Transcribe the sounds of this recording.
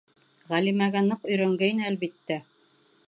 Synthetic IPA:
ʁælimæɡænɤqɵ̆jɾæŋɡæjinɘælβit̪ːæ

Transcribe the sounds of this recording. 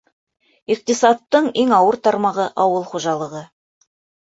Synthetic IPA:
iq̚t̪əsɑt̪ːəɴeŋɑwəɾt̪ʰɑɾmɑʁəʔɑwəlˠχoʒɑlˠəʁə

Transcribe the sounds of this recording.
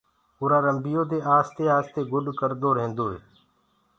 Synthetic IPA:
ʊːɾaːɾəmbɪjoːd̪eːʔaːst̪eːaːst̪eːɡʊɗkəɾd̪oːɾəɦẽːnd̪oːɦeː

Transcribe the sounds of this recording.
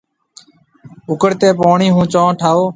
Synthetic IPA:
ʊkəɽt̪eːpoːɳiːɦũːt͡ʃãːʈʰaːoː

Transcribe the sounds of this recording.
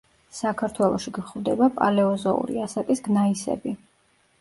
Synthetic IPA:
sakʰaɾt̪ʰwɛlˠɔʃiɡχvd̪ɛbapʼa̰lɛɔzɔṵɾḭasat̪ʼisɡnaisɛ̰bi

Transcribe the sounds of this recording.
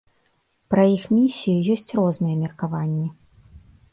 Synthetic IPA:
pɾɐjixmʲisʲijujɔsʲt͡sʲrɔznɨjɛmʲɛrkavanʲːɛ

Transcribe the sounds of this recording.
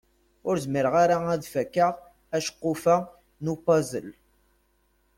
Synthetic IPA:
ʊɾzmiɾəʁaɾaæðfækːəʁ | æʃqːʊfa | nupɑzə̰l

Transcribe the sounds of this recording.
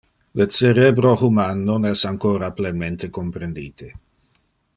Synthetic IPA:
lət͡seɾebɾohumanːonɛsaŋkoːɾaplenment̪ekompɾend̪iːt̪ʰe

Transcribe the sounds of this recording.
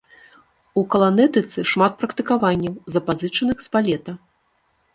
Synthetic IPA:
ukɐlˠanɛt̪ɨt̪sɨʂmat̪̚pɾɐkt̪ɨkavanʲːɐwzɐpazɨt͡ʂɐnɨxspalʲɛt̪ɐ

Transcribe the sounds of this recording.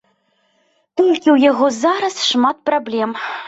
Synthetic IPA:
t̪ɔlʲkʲiwjaɣɔzaɾɐsʂmat̪̚prablʲɛm

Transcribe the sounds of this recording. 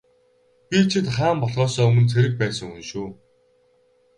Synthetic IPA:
pʲit͡ɕʰɪ̆t̪χaːmpɔɮʁɔːsɔːɵmɵ̆nt͡sʰeɾɘ̆k̚pæːsə̆ŋxunʃuː

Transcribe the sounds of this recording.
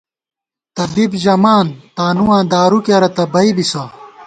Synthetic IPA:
t̪ɐbibʑɐmaːnt̪aːnuwãːd̪aːɾukeɾɐt̪ɐbɐibisɐ

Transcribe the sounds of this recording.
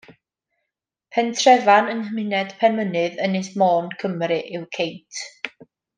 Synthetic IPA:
pʰɛntʰrɛvanənəmɪnɛd̥pʰɛnmənɨðənɨsmɔːnkʰəmrɨʔɪwkʰejtʰ

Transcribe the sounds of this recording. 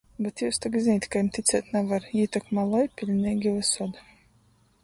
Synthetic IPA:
bɛt̪juwst̪akzinʲiːt̪ʲkajimt̪ʲit̪sʲɛːt̪ʲnɛvaɾiːt̪akmalˠɔjpʲilʲniːɡʲilɨsɔd̪

